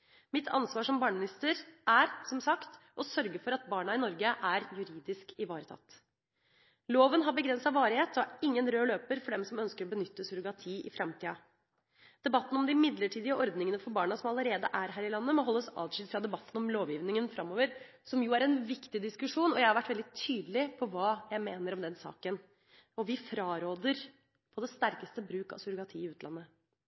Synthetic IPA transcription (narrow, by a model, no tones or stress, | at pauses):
mɪt̪ʰɑ̰nsʋɑːʂɔmbɑːɳəmɪnɪst̪əɾʔæɾsɔmsɑkt̪ | ʔɔsœɾɡəfɔɾɑt̪̚bɑːɳɑɪnɔɾɡəʔæɾjʉɾiːd̪ɪskɪʋɑːɾət̪ʰɑ̰t̪ː | loːʋənɦɑɾbəɡɾɛnsɑʋɑːɾɪheːt̪ɔɑɪŋːənɾøːløːpəɾfɔɖɛmsɔmœnskəɾɔbənʏt̪ːəsʉɾʊɡɑt̪ʰiːʔɪ̰fɾɑmt̪ʰiːɑ | d̪̥ɛbɑt̪ːn̩ɔmd̪ɪmɪd̪ləʈʰiːd̪ɪəʔɔɾd̪nɪŋənəfɔɾbɑːɳɑsɔmɑləɾeːd̪əʔæɾɦæːɾɪlɑnːəmɔɦɔlːəsɑ̰ːʋʂɪd̪fɾɑd̪ɛbɑt̪ːn̩ɔmloːʋjiːʋnɪŋənfɾɑmːoːʋəɾ | sɔmjuːæɾɛnʋɪkt̪ɪd̪ɪskʉʂuːnɔjæɪhɑɾʋæʈːʋɛld̪ɪt̪ʰyːd̪lɪpʰɔʋɑːjæɪmeːnəɾɔmd̪ɛnsɑ̰ːkən | ɔʋɪfɾɑːɾoːd̪əɾ | pʰɔd̪ɛst̪æɾkəst̪əbɾʉːkɑ̰ʋsʉɾʊɡɑt̪ʰiːɪʉːt̪lɑ̰nːə